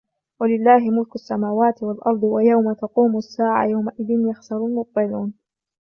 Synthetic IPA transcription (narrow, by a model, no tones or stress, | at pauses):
walɪlːaːɦɪmʊlkʊsːamaːwaːt̪ɪwalʔɑɾˤd̪ˤɨwajawmat̪ɑquːmʊasːaːʕa̰jawmaʔɪðɪnjɑxsɑɾˤʊlmʊt̪̚ˤt̪ɨluːn